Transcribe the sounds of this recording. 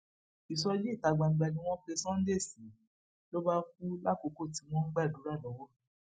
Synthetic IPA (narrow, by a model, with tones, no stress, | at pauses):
i˨sɔ˧je˦i˦˨ta˨˧ɡ͡bã˧˨˧ɡ͡ba˨˧nĩ˧˦w̃ɔ̃˦fe˧sɔ̃˦n̩˦de˦˨sĩ˨˦ | lo˦ba˦fu˦la˦˨ko˨˧˦ko˦˨ti˨˦w̃ɔ̃˦ɡ͡ba˦˨du˨˦ɾa˦˨lɔ̃˨˦wɔ˦